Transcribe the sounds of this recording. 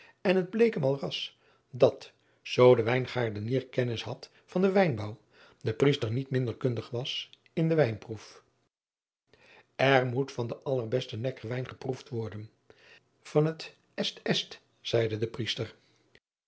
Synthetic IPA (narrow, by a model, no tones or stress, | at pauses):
ɛnɦəd̚blejkəmɑlˠrɑs | dɑt | z̥owdəʋɛjnχaːɹdəniːɹkɛnɪsɦɑt | fɑndəʋɛjnbɔw | dəpristəɹnitmɪndəɹkɵndəχʋɑs | ɪndəʋɛjnpruf | ɛɹmutfɑndəʔɑlˠəɹbɛstənɛkʋɛjnχəpruftʋɔɹdən | v̥ɑnɦət | ɛstɛst | sɛjdədəpristər